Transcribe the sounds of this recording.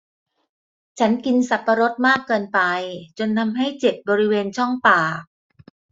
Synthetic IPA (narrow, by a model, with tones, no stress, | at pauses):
t͡ɕʰa˦˥nki˧nsa˨˩pːa˧ɾo˦˥t̪̚maː˥˩kːɤː˧npa˧jt͡ɕo˧nːa˧mɦa˥˩jt͡ɕe˨˩t̪̚bɔː˧ɾi˦˥weː˧nt͡ɕʰɔ˥˩ŋpaː˨˩